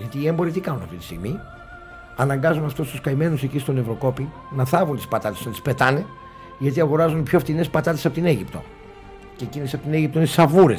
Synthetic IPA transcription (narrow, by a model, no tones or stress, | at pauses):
ʝɐt̪iːembo̞ɾit̪ikɐnunɐft̪it̪i̥st̪ḭɣmi | ɐnɐŋɡɐzunɐft̪ost̪uskɐime̞nusecist̪o̞ne̞vɾo̞ko̞pi | nɐθɐvunt̪i̥spɐt̪ɐt̪esont̪i̥spet̪ɐne | ʝɐt̪iɐɣo̞ɾɐzunpçoft̪ine̞spɐt̪ɐt̪e̞sɐpo̞t̪ine̞ʝipt̪o̞̰ | ceːcinesɐpot̪ine̞ʝipt̪oinesisɐvuɾe̞̰s